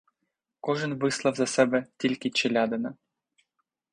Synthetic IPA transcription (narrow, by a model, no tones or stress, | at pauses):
koʒə̆nvɨslˠɑvzasɛbɛt̪ʲilʲkʲit͡ɕelʲɑd̪ɤna